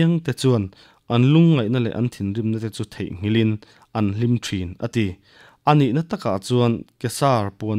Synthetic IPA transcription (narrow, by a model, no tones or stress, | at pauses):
ŋt̪ɛt͡suən | ʔɐnluŋːɐjnalɛ̰ʔɐnt̪ʰinrimnat̪ɛt͡sut̪ʰḛjʔŋ̥ilin | ʔɐnlimtʰinʔə̰t̪i | ʔɐniʔnat̪ɐka̰ʔt͡suənkɛsaːrpuən